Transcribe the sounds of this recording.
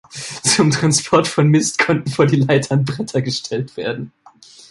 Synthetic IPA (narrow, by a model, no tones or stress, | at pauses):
t͡sʊmtʁ̥anspʰɔɐtfɔnmɪstkʰɔntn̩foːɐdiːlaɪtʰɐnbʁɛtʰɐɡəʃtʰɛltv̥eːɐdn̩